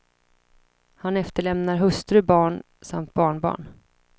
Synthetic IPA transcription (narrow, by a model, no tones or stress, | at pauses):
hanɛft̪əɭɛmnaɾɦɵst̪ɾɵbɑːɳ | samt̪̚bɑːɳbɑ̰ːɳ